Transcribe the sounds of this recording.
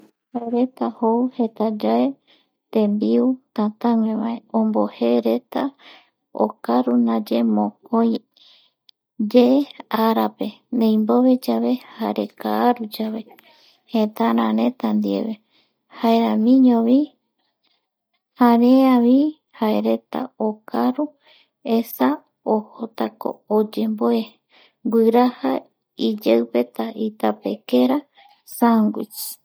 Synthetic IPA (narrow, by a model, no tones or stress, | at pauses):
haeɾe̞t̪ahouhe̞t̪ad͡ʒae | t̪ẽmbiut̪ãt̪ãŋẽβaeõmbo̞he̞ɾe̞t̪a | o̰kaɾunãd͡ʒe̞mõkõj̃ | d͡ʒeaɾape̞nẽj̃mboβe̞d͡ʒaβe̞haɾe̞kaːɾud͡ʒaβe̞ | het̪aɾãɾẽ̞t̪and̪iḛβe | haeɾãmĩɲõβi | haɾeaβi | haeɾe̞t̪a̰okʰaɾu | esa | ohot̪ako̰ːd͡ʒe̞mboe | ɡʷɨɾaha | id͡ʒewpe̞t̪aʔit̪ape̞keɾa | saŋɡʷḭt͡ʃ